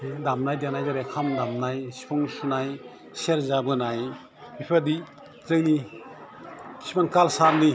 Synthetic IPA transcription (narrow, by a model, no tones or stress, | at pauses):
damnajdanajzaɾekʰamdamnajsi̥pʰɔŋsunaj | seɾzabɯnaj | bipʰadi | zɯŋni | sipaŋkalsaɾni